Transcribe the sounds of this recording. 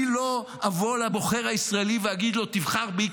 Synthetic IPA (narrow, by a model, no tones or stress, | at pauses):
ilo̞ | avolabo̞χe̞ʁhaisʁaeliveaɡid̪lo̞t̪ivχaʁbi